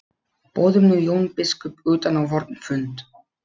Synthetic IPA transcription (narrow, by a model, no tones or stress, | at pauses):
poːwðʏmnʏjownpɪskʏpʏːt̪anawvɔɾt̪nfʏnt̪